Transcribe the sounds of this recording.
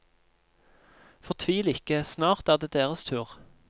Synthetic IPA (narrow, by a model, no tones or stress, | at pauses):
fɔʁt̪ʰʋiːlɪkəsnɑːʁt̪æːʁd̪eːd̪eːʁəst̪ʰʉːʁ